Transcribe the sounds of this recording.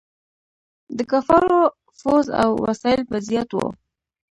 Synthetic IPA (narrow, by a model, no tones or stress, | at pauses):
d̪əkafɑɾo | foza̰wwa̰sɑɪlpazijat̪wo̰